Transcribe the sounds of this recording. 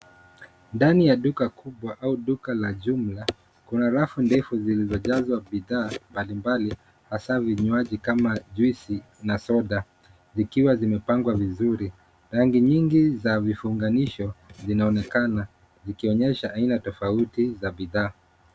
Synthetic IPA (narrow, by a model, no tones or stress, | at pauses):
ndanijaɗukakʰuɓwaʔauɗukalaʄum̩la | kunaɾafundɛfuzilizɔʄazwaɓiðaːmbalimbali | hasaviɲuaʄikamaʄwisi | nasɔɗa | zikiwazimɛpaŋɡwavizuɾi | ɾaŋɡiɲiŋɡizavifuŋɡaniʃɔzinaɔnɛkana | zikiɔɲɛʃaʔainatɔfautizaɓiðaː